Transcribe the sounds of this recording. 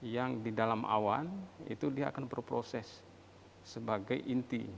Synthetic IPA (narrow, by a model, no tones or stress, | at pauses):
jaŋdidalamʔa̰wanḭt̪udia̰ːkanbərpɾosɛsː | əbaɡajʔint̪i